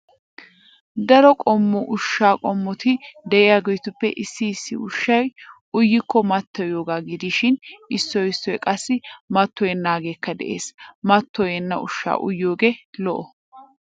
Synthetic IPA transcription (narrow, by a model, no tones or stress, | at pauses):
d̪ɐɾɔkʼɔmːɔʔʊʃːaːkʼɔmːɔt̪ɪd̪ɛʔɪjaːɡɔjt̪ʊpːɛʔɪsːɪːsːɪʊʃːɐj | ʊjːɪkʰːɔmɐt̪ːɔjoːɡaːɡɪd̪ɪʃɪnʔɪsːɔjɪsːɔjɛkʼɐsːɪmɐt̪ːɔjɛnːaːɡeːkːɐd̪ɛ̰ʔḛːsmɐt̪ːɔjɛnːɐ̰ʊ̰ʃːa̰ːʔʊjːo̞ːɡelɔʔɔ